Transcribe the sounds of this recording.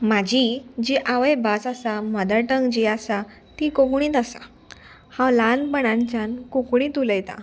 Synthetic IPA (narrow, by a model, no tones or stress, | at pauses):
mad͡ʑʱid͡ʑiʔaʋəjbasasamad̪əɾʈəŋɡd͡ʑiasa | t̪ikokɳ̃ĩːt̪asa̰ | hãwlanpəɽãɲt͡ɕãnkokɳ̃iːt̪uləjt̪a̰